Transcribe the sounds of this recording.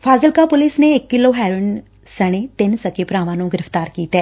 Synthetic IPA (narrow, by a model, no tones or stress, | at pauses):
fʰaːzəlkaːpʊlɪsneɪkːɪloːɦɛːɾʊn | səɽ̃eːt̪ɪnsəkepɾaːʋãːnũːɡɪɾəft̪aːɾkiːt̪ɛː